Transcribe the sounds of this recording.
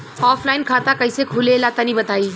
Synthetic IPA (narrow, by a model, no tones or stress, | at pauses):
ɔpʰlaɪnkʰat̪akəjsekʰulelat̪anibət̪ai